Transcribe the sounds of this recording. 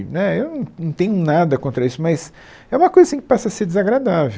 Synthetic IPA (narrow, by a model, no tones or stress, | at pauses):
nɛewnɐ̃w̃nɐ̃w̃t̪ẽɲʊnad̪ɐkõnt̪ɾɐisʊmɐs | ɛũmɐkojzɐsĩkɪ̥pasɐseɾd͡ʒɪzaɡɾad̪ave